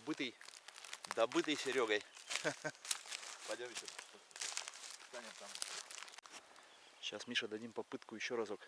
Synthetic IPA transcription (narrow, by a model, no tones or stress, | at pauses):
bɨt̪ɨj | d̪ɐbɨt̪ɨjsʲɪɾʲoɡɐj | vɐdʲamʲɪɕʲot̪o | t̪anʲɪmt̪am | ɕasmʲiʂəd̪ɐdʲimpɐpɨt̪kʊjɪɕːoɾazok